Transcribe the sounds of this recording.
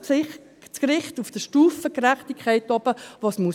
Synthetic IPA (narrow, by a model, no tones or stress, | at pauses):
t͡skɾɪχtufd̥əʃtuːfəkɾæχtikʰːɛɪtɑb̥əʋɑsmu